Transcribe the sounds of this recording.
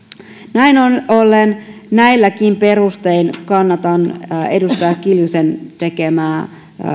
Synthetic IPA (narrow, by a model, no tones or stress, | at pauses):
næinonolːennæilːækimpe̞rust̪e̞inkɑnːɑt̪ɑne̞dust̪ɑjɑkkːiljuse̞nt̪e̞ke̞mæː